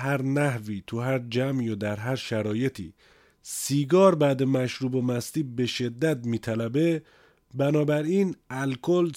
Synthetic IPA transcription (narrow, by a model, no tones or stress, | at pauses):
ɦæɾnæhviːt̪ʰuɦæɾd͡ʒæmijod̪æɾɦæɾʃæɾɒːje̞t̪ʰḭː | siːɡɒːɾbæːd̪emæʃɾuːbomæst̪iːbe̞ʃe̞d̪ːæt̪̚miːt̪ʰælæbe̞ | bænɒːbæɾiːnælkʰol